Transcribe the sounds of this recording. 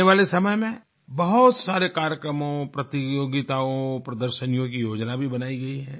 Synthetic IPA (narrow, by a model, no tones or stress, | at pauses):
eʋaːlesɐməjmẽ | bɐɦʊt̪saːɾekaːɾjəkɾəmõpɾɐt̪ijoːɡɪt̪aːõpɾɐd̪əɾʃənijõk̬ijoːd͡ʒnabʱibɐnaːiɡɐiɦɛ̃ː